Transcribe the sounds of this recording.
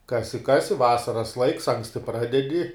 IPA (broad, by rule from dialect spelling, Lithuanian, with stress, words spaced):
ˈkɑːsʲɪ ˈkɑːsʲɪ ˈʋɑːsɐrɐs lˠɐɪks ˈɐŋksʲtʲɪ ˈprɑːdʲɛdʲɪ